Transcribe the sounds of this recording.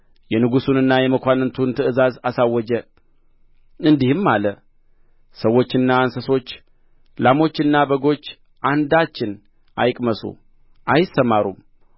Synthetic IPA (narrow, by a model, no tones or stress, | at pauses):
jɛnɨɡusunɨnːajɛməkʷanɨnt̪ʰunt̪ʰɨɨzazasawːɔd͡ʒə | ɨnd̪ihɨmːalə | səwːo̞t͡ʃːɨnːaːnsəso̞t͡ʃː | lamo̞t͡ʃːɨnːabəɡo̞t͡ʃː | ʔand̪at͡ʃːɪn | ʔa̰jkʼməsṵ | ʔajɪsːəmaɾṵm